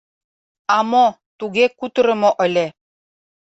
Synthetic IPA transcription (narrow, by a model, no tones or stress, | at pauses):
ɑmo | t̪uɣekut̪ɤ̆ɾə̆moʔə̆lʲe